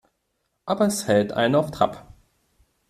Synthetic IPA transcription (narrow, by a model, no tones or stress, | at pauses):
ʔaːbɐɛshɛltʔa̰ɪnənaʊftʁ̥a̰p